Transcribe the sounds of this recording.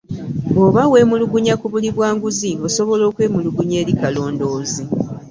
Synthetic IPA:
o̞βawe̞ːmuluɡuɲakuβuliβwaːŋɡuziβoso̞βo̞lo̞ːkwe̞ːmuluɡuɲe̞ːɾikalo̞ːndo̞ːzi

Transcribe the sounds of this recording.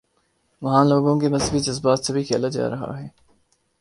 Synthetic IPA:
ʋɐɦãːloːɡõkinɐzbid͡ʒɐzbaːt̪sebʱikʰeːlad͡ʒa̰ːɾɐɦa̰ɦɛː

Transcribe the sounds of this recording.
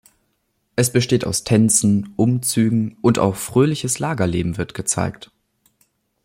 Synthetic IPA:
ʔɛsb̥əʃteːta̰ʊstʰɛnt͡sn̩ʔʊmt͡syːɡŋ̩ʔʊnta̰ʊxfʁ̥øːlɪçəslaːɡɐlḛːbm̩vɪɐtɡ̥ət͡sa̰ɪkt

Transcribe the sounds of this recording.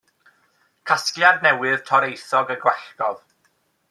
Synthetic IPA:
kʰasklˠjadnɛwɨð̥tʰɔɾejθɔɡəɡwɛɬɡ̥ɔð

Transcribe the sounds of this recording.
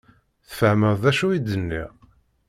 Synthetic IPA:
θfəʕməððæʃuid̪ːənːḭʁ

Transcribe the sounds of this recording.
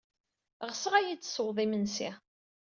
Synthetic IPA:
ʁəsəʁæjit͡sːsəwðˤimənsḭ

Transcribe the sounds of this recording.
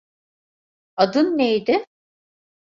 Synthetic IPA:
ad̪ɯnːejd̪ɪ

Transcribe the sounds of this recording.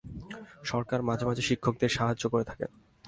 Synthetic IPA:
ʃɔɾkaɾmad͡ʑʱamad͡ʑʱeʃikʰːok̚d̪eɾʃaɦad͡ʑʑokoɾet̪ʰḁkḛ

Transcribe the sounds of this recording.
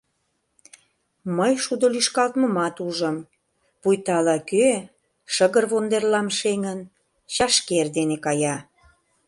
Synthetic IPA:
məjʃud̪olyʃkɑlt̪mə̆mɑt̪uʒə̆m | pujt̪ɑlɑkø | ʃəɣərβond̪erlɑmʃeŋən | ɕɑʃkerd̪enekɑjɑ

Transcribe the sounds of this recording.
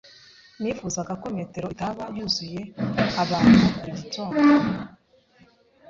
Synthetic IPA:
miːfuzaɡako̞mete̞ɾo̞itaβajuzuje̞aβaːnuuakuɾiɟitʰoːn

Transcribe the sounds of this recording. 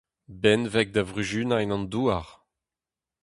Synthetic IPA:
bɛnvɛk̚d̪avʁyʒynaɛnɑ̃nd̪uːaʁ

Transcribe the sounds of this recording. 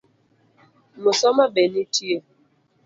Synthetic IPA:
mosɔmabenitie

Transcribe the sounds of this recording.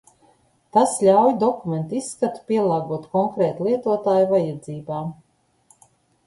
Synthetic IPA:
t̪aslʲawjd̪ɔkument̪isːkat̪u̥pʲiɛlˠaːɡuɔt̪kɔŋkɾɛːt̪lˠiɛt̪uɔt̪aːjuvajad̪ziːbaː

